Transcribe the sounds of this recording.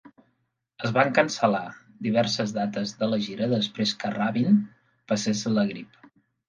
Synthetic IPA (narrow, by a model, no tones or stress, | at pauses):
əzβaŋkənsəla | d̪iβ̞ɛɾsəzðat̪əzðələʒiɾəðəspɾeskəraβin | pəsesləɣɾip